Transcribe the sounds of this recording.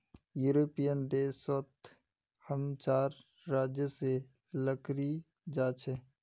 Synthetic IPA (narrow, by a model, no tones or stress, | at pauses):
juːɾoːpijənd̪eːsət̪ʰ | həmt͡ʃaːɾː | aːd͡ʒjəse | ləkɾi | d͡ʒaːt͡ʃʰɛ